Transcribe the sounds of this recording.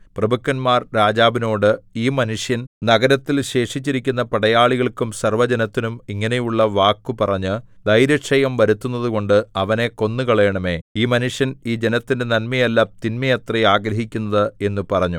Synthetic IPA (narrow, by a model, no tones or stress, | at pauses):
prɐbɐkːɐnmaːrɾaːd͡ʑaːbino̞ːɽɨiːmɐnuʂjɐnnɐɡɐɾɐt̪ːilɕe̞ːʂit͡ɕːiɾikʲːunːɐpɐɽɐjaːɭiɣɐɭkːumsɐrʋɐd͡ʑɐnɐt̪ːinumiŋːɐne̞juɭːɐʋaːkːupɐrɐɲːɨd̪ɐjɾjɐkʂɐjɐmʋɐɾut̪ːunːɐðuko̞ɳɖɨɐʋɐne̞ko̞nːɨkɐɭɐjɐɳɐme̞ːiːmɐnuʂjɐniːd͡ʑe̞nɐt̪ːinde̞nɐnmɐjɐlːɐt̪inmɐjɐt̪rɐjaːɡɾɐɦikʲːunːɐðɨe̞nːupɐrɐɲːu